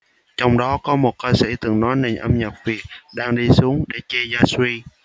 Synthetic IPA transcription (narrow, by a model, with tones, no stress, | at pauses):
t͡ɕɔ˧wŋ͡mɗɔ˨˦kɔ˨˦mo˨˩t̚kəː˧sḭ˧˩t̪ɨ˨˩ŋnɔ˨˦jne˨˧˩ŋ̟ʔə˧mɲə˨˩p̚vi˨˩ət̚ɗaː˧ŋɗi˧su˨˦əŋɗe˧˩t͡ɕe˧zaː˧swi˧